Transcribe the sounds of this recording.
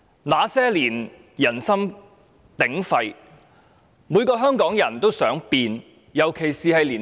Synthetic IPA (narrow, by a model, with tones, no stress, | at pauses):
laː˨˧sɛː˥liː˨˩n | jɐ˨˩nsɐ˥m | t̪ɪ˨˥ŋfɐ˧j | muː˨˧jkɔː˧ɦœː˥ŋkɔː˨˥ŋjɐ˨˩nt̪o˥wsœː˨˥ŋpiː˧n | jɐ˨˩wkʰe˨˩jsiː˨hɐ˨jliː˨˩n